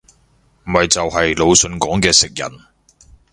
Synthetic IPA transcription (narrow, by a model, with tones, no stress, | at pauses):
m̩˨˩hɐ˨jt͡sɐ˨wɦɐ˨jlo˨˧wsɵ˧nkɔː˨˥ŋkɛː˧sɪ˨k̚jɐ̰˨˩n